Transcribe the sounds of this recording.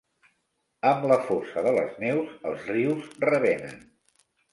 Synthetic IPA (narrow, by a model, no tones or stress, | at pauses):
əmləfɔsəðələ̰znɛwzəlˠzriwzrəβɛnə̰n